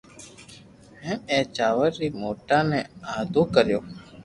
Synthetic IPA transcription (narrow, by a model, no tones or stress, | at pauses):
ɦɛ̃ːmẽːt͡ʃaːʋəɾːiːmoːʈaːnẽːaːd̪oːkəɾjoː